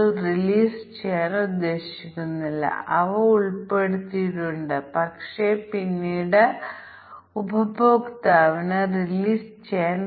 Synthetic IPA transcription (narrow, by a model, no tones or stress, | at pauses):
riliːst͡ɕeːnud̪ːe̞ːɕikʲːunːilːɐ̰ʔɐʋɐuɭpe̞ɽut̪ːiʈːuɳɖɨpɐkʂe̞pinːiːɽe | ubʱɐboːkt̪aːʋinɨriliːst͡ɕeːn